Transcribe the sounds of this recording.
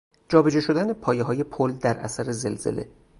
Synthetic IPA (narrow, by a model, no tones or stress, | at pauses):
d͡ʒɒːbed͡ʒeʃo̞d̪æne̞pʰɒːjeɦɒːje̞pʰold̪æɾʔæ̰sæɾezelz̥ḛle̞̰